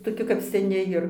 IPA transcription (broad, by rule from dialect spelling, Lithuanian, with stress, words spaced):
toːˈkʲɪ kɐp sʲɛˈnʲɪ jɪr